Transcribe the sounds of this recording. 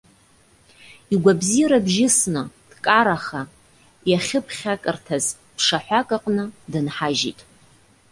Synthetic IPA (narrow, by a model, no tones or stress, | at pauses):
iɡʷabzijɾabʒɪsnɨd̥kʼaɾaχa | jaχʲɪpʰχʲakʼɨrtʰaz | pʰʂaħʷakʼaqʼnɨdɨnħaʒḭtʼ